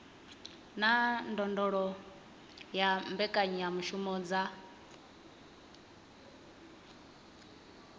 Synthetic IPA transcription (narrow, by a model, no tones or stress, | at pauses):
nandɔndɔɺɔ | jambɛkʼaɲijamuʃumɔːd͡za